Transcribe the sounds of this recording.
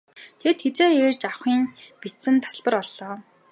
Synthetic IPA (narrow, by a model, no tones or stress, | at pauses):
t̪ʰet̪xet͡seːert͡ɕaχiːŋpit͡sɘ̆nt̪ʰḁs̆ɮpə̆rɔɮːɔː